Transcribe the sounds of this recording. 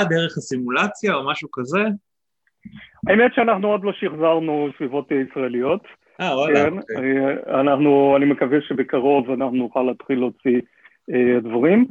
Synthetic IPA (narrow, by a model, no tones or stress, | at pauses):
ad̪eʁeχasimulat͡sjaomaʃukaze | aemetʃeanaχnuod̪lo̞ʃiχzaʁnusvivo̞teisʁaelijo̞t̪ | awalken | anaχnuanimekaveʃebekaʁo̞vanaχnunuχalaːt̪χilːeot͡si | ed̪vaʁim